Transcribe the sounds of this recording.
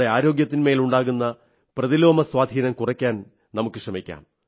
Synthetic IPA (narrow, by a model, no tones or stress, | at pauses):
ɽeaːɾo̞ːɡjɐt̪̬ːinme̞ːluɳɖaːɣunːɐ | prɐðilo̞ːmɐswaːd̪ʱiːnɐmkurɐkʲːaːn | nɐmukːɨʂrɐmikʲːa̰ːm